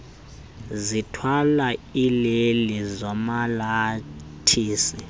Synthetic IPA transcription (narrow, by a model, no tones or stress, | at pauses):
zitʰwalailelizɔmalatʰiːsi